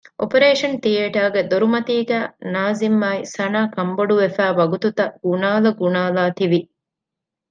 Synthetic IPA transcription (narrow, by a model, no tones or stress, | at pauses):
ʔo̰pɐɾeːʂɐnt̪ieːʈaːɡed̪oɾumɐt̪iːɡæːnaːzimːaːisɐnaːkɐmboɖuʋefæːʋɐɡut̪ut̪ɐɡ̥unaːlɐɡunaːlaːt̪iʋi